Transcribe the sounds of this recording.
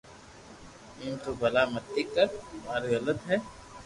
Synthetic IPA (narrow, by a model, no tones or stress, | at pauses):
ɪmt̪obɐlamɐt̪ːikːɐɾʊmaːɾiɣɐlət̪ɦɛː